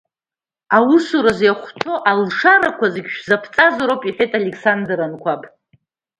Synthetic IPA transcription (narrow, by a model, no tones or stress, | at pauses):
awʊsuɾazjaχʷtʰo̞ʔalʂaɾakʷʰazɨɡʲʃᶣzapʰt͡sʼazoɾowpʼiħʷᶣetʼalekʰsandrankʷʰapʼ